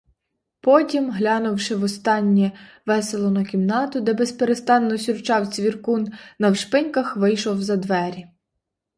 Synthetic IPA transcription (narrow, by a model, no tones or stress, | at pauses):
pɔtʲimɦlʲɑnʊwʃɪʋɔst̪ɑnʲːɛ | ʋɛselˠɔnɐkʲimnɑt̪ʊd̪ɛbɛspeɾest̪ɑnːɔsʲʊrt͡ʃɑwt͡sʲʋʲirkunnɐwʃpɪnʲkɐxʋɪjʃɔwzɐd̪ʋɛɾʲi